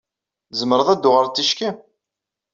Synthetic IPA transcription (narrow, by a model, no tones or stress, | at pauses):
zəməɾəðˤæd̪ːʊʁəɾt͡sːiʃkæ